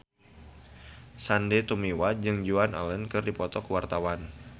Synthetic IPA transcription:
sandet̪umiwad͡ʒɨŋd͡ʒuana̰lənkɨrdipɔt̪ɔkwart̪awan

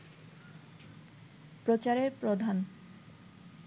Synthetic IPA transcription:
pɾot͡ɕaɾeɾpɾod̪ʱan

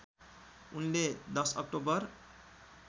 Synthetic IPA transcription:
unled̪ʌsʌ̰k̚ʈobʌr

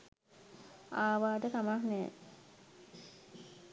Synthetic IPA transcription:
aːʋaːʈət̪amahnɛː

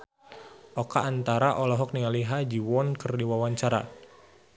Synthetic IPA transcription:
ʔɔkaːnt̪aɾaʔɔlɔɦɔk̚niŋaliɦad͡ʒiwɔnkɨrdiwawaɲt͡ʃaɾa̰

